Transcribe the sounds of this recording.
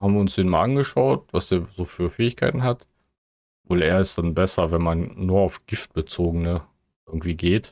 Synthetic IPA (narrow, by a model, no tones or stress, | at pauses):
haːbm̩viːɐʊnsd̥eːnmaːlʔanɡəʃaʊtvasd̥eːɐzoːfyːɐfɛːɪçkʰa̰ɪtn̩ɦat | voːleːɐɪstd̥anbɛsɐvɛnmanːuːɐaʊfɡ̥ɪft̚b̥ət͡soːɡənə | ʔɪɡŋ̩tv̥iːɡeːt